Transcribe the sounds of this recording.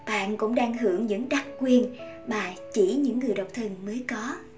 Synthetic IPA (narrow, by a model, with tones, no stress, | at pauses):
ɓa̰ː˧˨nkʊ̰˧˥ŋ͡mɗaː˧ŋɦɨ˧˩əŋɲɨ̰˧˥ŋɗa˦˥k̚kwi˧ən | maː˨˩t͡ɕi˧˩ɲɨ̰˧˥ŋːɨ˨˩əjɗə˨˩wk͡p̚t̪ʰɨ˨˩ŋməː˨˦jkɔ˨˦